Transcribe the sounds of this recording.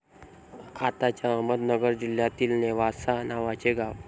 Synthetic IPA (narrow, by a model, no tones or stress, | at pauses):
kʰat̪at͡ɕjaəməd̪nəɡəɾd͡ʑiljat̪iːlneʋasanaʋat͡ɕeɡaʋ